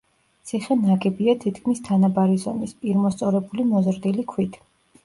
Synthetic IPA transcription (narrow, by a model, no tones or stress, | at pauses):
t̪sʰiχɛnaɡɛbiat̪ʰit̪kʰmist̪ʰanabaɾizɔmispʼiɾmɔst̪sʼɔɾɛbulimɔzɾd̪ilikʰwit̪ʰ